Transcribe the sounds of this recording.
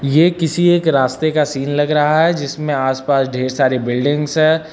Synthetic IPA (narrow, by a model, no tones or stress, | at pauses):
jeːkɪsieːkɾaːst̪ekasiːnlɐɡɾɐɦaɦɛd͡ʒɪsmẽaːspaːsɖʱeːɾsaːɾebɪlɖɪ̃ŋɡsɦɛː